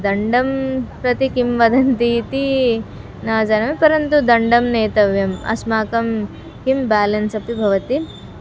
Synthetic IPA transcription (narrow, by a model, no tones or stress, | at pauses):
d̪ɐɳɖɐmpɾɐt̪ikimʋɐd̪ʱɐnt̪it̪i | naːd͡ʒɐnɐmepɐɾɐnt̪ud̪ɐɳɖɐmneːt̪ɐʋjɐmɐ̰smaːkɐm | kimbaːlɐnsɐpibʱɐʋɐt̪i